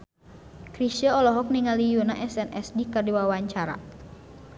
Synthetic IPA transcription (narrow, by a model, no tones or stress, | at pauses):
kɾisəɔlɔɦɔk̚niŋalijunaʔɛsɛnɛ̰sdikərdiwawaɲt͡ʃaɾa̰